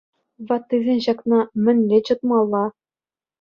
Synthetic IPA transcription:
ʋɑt̪ːɯzʲenʲɕɑknɑmʲɘ̆nʲlʲet͡ɕɤ̆t̪mɑlˠːɑ

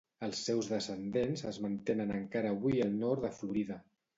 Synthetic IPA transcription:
əlˠsːɛwzðəsənd̪enzəzmənt̪enənəŋkaɾəːβwiəlˠnɔɾd̪əfluɾiðə

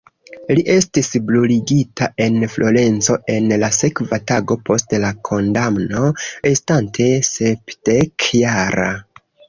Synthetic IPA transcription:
liʔe̞stisbluliɡitaʔe̞nflʔo̞ɾe̞nt͡so̞ʔe̞nlase̞kvataɡo̞po̞stlakʰo̞ndamno̞ɾestantʰe̞se̞pdekjaɾa̰

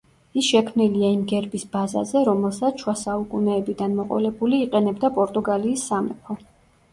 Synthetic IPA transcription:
isʃɛkʰmniliaimɡɛɾbisbaza̰zɛɾɔmɛlˠsat̪sʃwasaukʼunɛːbid̪anmɔqʼɔ̰lɛbuliːqʼɛnɛbd̪apʼɔɾt̪ʼuɡaliːsːamɛ̰pʰɔ

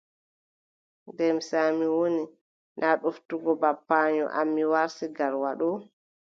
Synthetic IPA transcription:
dɛmsaːmiwoni | nʔaɗoftuɡɔbapːaːɲɔ̰ʔa̰mːiwaɾsiɡaɾwaɗɔ

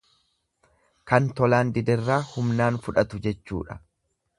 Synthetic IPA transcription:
kɐnt̪ɔlaːnd̪ɪd̪ɛrːaːhʊmnaːnfʊᶑɐt̪ʊd͡ʒɛt͡ʃːṵːᶑɐ̥

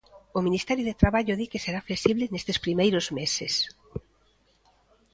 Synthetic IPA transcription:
ominist̪ɛɾjoðet̪ɾaβaʎʊðikeseɾaflesiβlɪnest̪espɾimejɾozmeses

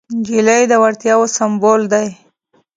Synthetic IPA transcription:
ɡelajd̪əwaɾt̪jɑwosambold̪aj

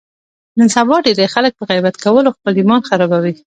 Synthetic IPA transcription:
nənsabɑɖed̪exalək̚pəɣajbat̪kawəloxpəlimɑnxaɾɑbawi

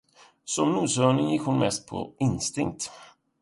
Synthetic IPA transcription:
sɔmnuːsœːɳɪŋjɪkhʊnmɛst̪̚pʰɔ̰ɪnst̪ɪŋk̚t̪

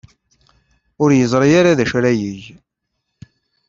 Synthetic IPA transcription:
ʊɾjəzˤɾˤijaɾaðæʃɾæjəʝ

